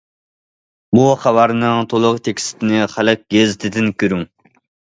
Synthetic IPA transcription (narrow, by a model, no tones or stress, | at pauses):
buχæwæɾnɨŋt̪ʰolˠʊqt̪ʰekʲi̥sɪ̥t̪ʰɪnɪχælɨq̚ɡʲezɪt̪ʰɪd̪ɪnkʲøɾyŋ